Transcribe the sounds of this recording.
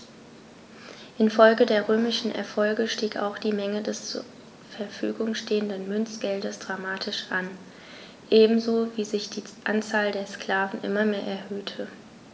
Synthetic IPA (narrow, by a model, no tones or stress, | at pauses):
ʔɪnfɔlɡədeːɐʁøːmɪʃn̩ʔɛ̰ɐfɔlɡəʃtiːka̰ʊxd̥iːmɛŋədɛst͡sṵ | fɛɐfyːɡʊŋʃteːəndənmʏnt͡sɡ̥ɛldəsd̥ʁamaːtʰɪʃʔan | ʔeːbm̩zoːviːzɪçd̥iːʔant͡saːldeːɐskl̥aːvn̩ʔɪ̰mɐmeːɐʔɛɐhøːtʰə